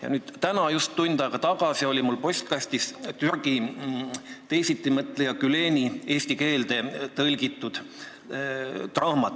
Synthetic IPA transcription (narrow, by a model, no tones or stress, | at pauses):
jɑ̰nyːd̪̥t̪ænɑjust̪ːund̪̥ɑɡ̥ɑt̪ɑɡ̥ɑsio̞lʲimulːpo̞sʲt̪̚kɑsʲt̪ist̪yrɡ̥i | t̪e̞jsit̪ːˑimɤt̪ˑlejɑkyle̞ːnʲie̞ːsʲt̪ike̞ːld̪e̞t̪ɤlʲɡit̪ːˑud̪̥ | t̪rɑhmɑt̪